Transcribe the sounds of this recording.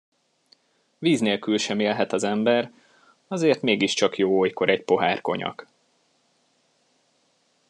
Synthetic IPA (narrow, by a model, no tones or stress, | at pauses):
viːzneːlkylʃɛmeːlɦɛt̪ɒzɛmbɛr | ɒzeːrt̪meːɡiʃt͡ʃɒkjoːojko̞ɾɛcpo̞ɦaːrko̞̰ɲɒ̰k